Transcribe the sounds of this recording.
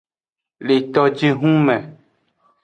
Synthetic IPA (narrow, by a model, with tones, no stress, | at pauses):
le˨t̪ɔ˨d͡ʒe˦ɦũ˦mɛ̃˨